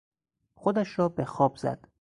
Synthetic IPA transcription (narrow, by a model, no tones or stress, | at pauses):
xod̪æʃɾɒːbexɒːbz̥æ̰d̪̥